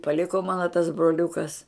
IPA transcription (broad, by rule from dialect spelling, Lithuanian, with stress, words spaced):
pɐˈlʲɪkoː ˈmɑːnoː tɐs broːˈlʲʊkɐs